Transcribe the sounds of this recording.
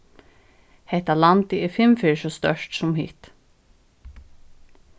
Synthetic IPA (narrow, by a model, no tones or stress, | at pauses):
hɛht̪alant̪ɪɛɾfɪmfɪːʃɔst̪œ̰ʃtsʊmhḭːt̪